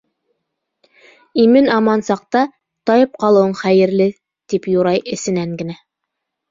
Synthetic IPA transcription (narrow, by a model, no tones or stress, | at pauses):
imɘnɑmɑnsɑq̚t̪ɑ | t̪ɑjɤp̚qɑlˠɤ̆wɤɴχæjɘ̆ɾlɘ | t̪ipjuɾɑjɘ̆sɘ̆næŋɡɘ̆næ